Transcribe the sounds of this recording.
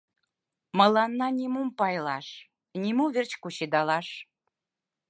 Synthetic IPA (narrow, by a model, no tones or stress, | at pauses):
mɤ̆lɑnːɑnʲimumpɑjlɑʃ | nʲimuβert͡ɕkuɕed̪ɑlɑʃ